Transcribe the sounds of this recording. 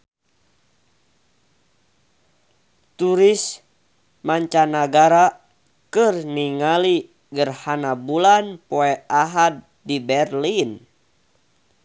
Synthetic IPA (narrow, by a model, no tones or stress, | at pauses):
t̪uɾis | maɲt͡ʃanaɡaɾa | kɨrniŋali | ɡərhanabulanpoɛaɦad̪̚ː | ibɛrlin